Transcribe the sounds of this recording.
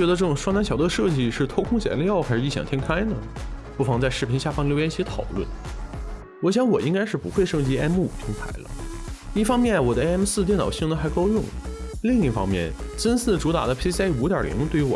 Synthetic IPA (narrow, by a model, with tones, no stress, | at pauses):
ɥɛ˧˥d̪ə˧ʈ͡ʂɤ˥˩ʈ͡ʂʊ˨˩ŋʂwɑ˥ŋa˧˥nɕjɑ˨˩ʊd̪ə˧ʂɤ˥˧t͡ɕi˥˧ʂɻ̩˥˩t̪ʰo˥ʊkʰʊ˥ŋt͡ɕjɛ̰˨˩nljɑ˥˩ʊxa˧˥ɪʂɻ̩˥˧i˥˩ɕjɑ̰˨˩ŋt̪ʰjɛ˥ŋkʰa˥ɪnə˨pu˥˩fɑ˧˥ŋt͡sa˥˧ɪʂɻ̩˥˩pʰi˧˥nɕja˥˩fɑ˥ŋljo˧˥ʊjɛ˥nɕi˧˥t̪ʰɑ̰˨˩ʊlwə̰˥˩n | wɔ˧˥˩ɕ̬jɑ˧˥ŋwɔ˨˩i˧˥ŋka˥ɪʂɻ̩˥˩pu˧˥xwe˥˧ɪʂɤ˥˧t͡ɕi˥ɛ˥mṵ˨˩t̪ʰi˧˥ŋt̪ʰa̰˧˥ɪlə̰˧i˥˩fɑ˥ŋmjɛ˥˩nwɔ˨˩d̪ə˦˧e˥ɛ˥msɹ̩˥˧t̪jɛ˥˩nɑ˨˩ʊɕi˥˩ŋnd̪ə˩xa˧˥ɪkɑ˥ʊjʊ˥˧ŋ | li˥˧ŋi˥˩fɑ̰˥ŋmjɛ̰˥˩nt͡sə˥nsɹ̩˥˩ʈ͡ʂu˧˥t̪a̰˨˩d̪ə˦pʰi˥su˧˥t̪jɑ˞˨˩lḭ˧˥ŋt̪we˥˩y˧˥wɔ̰˨˩